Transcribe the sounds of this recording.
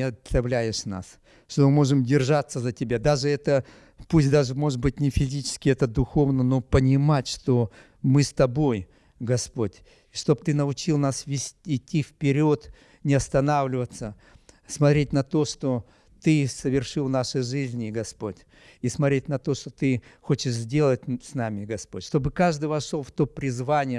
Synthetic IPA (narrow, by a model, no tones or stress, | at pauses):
ɪɐt̪ɐvlʲæjɪʂna̰s | ʂt̪omɨmo̞ʐɨmdʲɪrʐat̪sːəzətʲɪbʲad̪aʐɨɛt̪ə | pusʲtʲd̪aʐɨmo̞ʐɨt̪̚bɨtʲnʲɪfʲɪzʲit͡ɕɪ̥skʲɪɛt̪əd̪ʊxo̞vnəno̞pənʲɪmatʲʂt̪o̞ | mɨst̪ɐbo̞j | ɡɐspo̞tʲ | ʂt̪o̞bt̪ɨnəʊt͡ɕilˠnasvʲɪsʲɪtʲːifpʲɪɾʲo̞t̪ | nʲɪɐst̪ɐnavlʲɪvət̪sə | smɐt̪ɾʲet̚ʲnɐt̪o̞ʂt̪o̞ | t̪ɨsəvʲɪrʂɨlˠnaʂɨjʐɨzʲnʲɪɡɐspo̞tʲ | ismɐtɾʲetʲnɐt̪o̞ʂt̪o̞t̪ɨxo̞t͡ɕɪʂzʲdʲe̞lˠət̚ʲsnamʲɪɡɐspo̞tʲʂt̪obɨkaʐd̪ɨjvɐʂolˠft̪o̞pɾʲɪzvanʲɪjə